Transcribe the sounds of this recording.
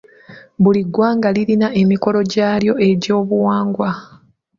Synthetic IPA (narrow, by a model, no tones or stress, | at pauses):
βuliɡwaːŋɡaliɾinae̞miko̞lo̞ɟaːljo̞e̞ɟo̞ːβuwaːŋɡwa